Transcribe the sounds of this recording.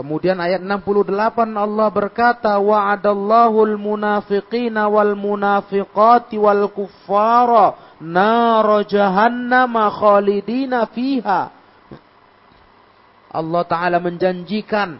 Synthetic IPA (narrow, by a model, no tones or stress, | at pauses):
kəmudianajat̪̚ənampuluhdəlapanɑlːɑhbərkat̪awaʕadalˤːɑːɦulmunafɪqiːnawalmunafɪqɑt̪walkufːaɾ | naɾɑd͡ʒaɦanːamaxaːlidiːnafiɦa | ʔɑ̰lːɑht̪aʔalaməɲd͡ʒaɲd͡ʒikan